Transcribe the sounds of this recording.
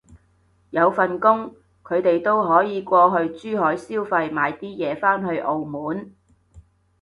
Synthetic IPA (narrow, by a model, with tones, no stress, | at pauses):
jɐ˨˧wfɐ˨nkʊ˥ŋ | kʰɵ˨˧ɥt̪e˨jt̪o˥wɦɔː˨˥jiː˨˧kʷɔː˧ɦɵ˧ɥt͡ʃyː˥ɦɔː˨˥jsiː˥wfɐ˧jmaː˨˧jt̪iː˥jɛː˨˧faː˥nɦɵ˧ɥʔo˨˧wmuː˨˥n